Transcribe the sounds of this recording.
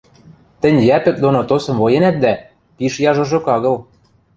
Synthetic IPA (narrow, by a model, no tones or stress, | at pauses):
t̪ɘ̆nʲjæpɘ̆k̚d̪onot̪osɤ̆mvojenæt̪̚d̪æ | piʃjɑʒŏʒŏkɑɣɤ̆l